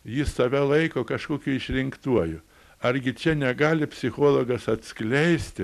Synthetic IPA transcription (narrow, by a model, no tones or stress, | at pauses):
jɪsɐʋʲælˠɐɪkoːkɐʃkoːkʲʊɪʃʲɾʲɪŋkt̪uɔjʊ | ɐɾʲɡʲɪt͡ʃʲɛnʲɛɡɑːlʲɪpʲsʲɪxoːlˠoːɡɐsɐt̪ʲsklʲɛɪsʲt̪ʲɪ